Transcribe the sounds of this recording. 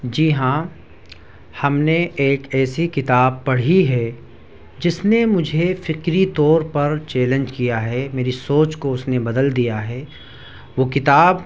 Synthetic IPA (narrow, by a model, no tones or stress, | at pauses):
d͡ʒiːɦã | hɐmneʔeːkɛːsikɪt̪aːb̚pɐɽ̤iɦɛː | d͡ʒɪsnemʊd͡ʒʱefɪqɾit̪ɔːɾpɐɾt͡ʃɛːlə̃nd͡ʒkijaɦɛmeːɾisoːt͡ʃkoʊsnebɐd̪əld̪ijaɦɛː | ʋoːkɪt̪aːb